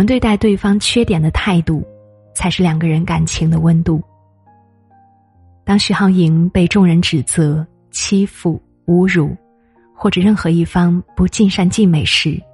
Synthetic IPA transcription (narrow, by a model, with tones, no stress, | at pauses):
nt̪we˥˧ɪt̪a˥˧ɪt̪we˥˩ɪfɑ˥ŋt͡ɕʰɥɛ˥t̪jɛ˨˩nd̪ə˦t̪ʰa˥˧ɪt̪u˥˩ | t͡sʰa˧˥ɪʂɻ̩˥˩ljɑ˨˩ŋɡə˧˦ɻə˧˥nka˨˩nt͡ɕʰi˧˥ŋd̪ə˧wə˥nt̪u˥˩ | t̪ɑ˥ŋɕy˥˩xɑ˥˩ʊi˧˥ŋpe˥˧ɪʈ͡ʂʊ˥˩ŋɻə˧˥nʈ͡ʂɻ̩˨˩t͡sɤ˧˥˦ | t͡ɕʰi˥fu˥˩ | u˧˥ɻu˨˩˦ | xwɔ˥˩ʈ͡ʂɤ˨˩ɻə˥˩nxɤ˧˥i˥˩fɑ˥ŋpu˧˥t͡ɕi˥˧nʂa˥˧nt͡ɕi˥˩nme˨˩ɪʂɻ̩˧˥